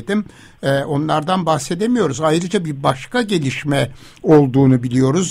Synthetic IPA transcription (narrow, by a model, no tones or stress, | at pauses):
d̪im | ɛʔo̞nlˠaɾd̪anbaxse̞d̪emijo̞ɾuzajɾɯd͡ʒabiɾbaʃkaɟe̞lʲiʃmɛ | o̞lˠd̪uːnubilʲijo̞ɾuz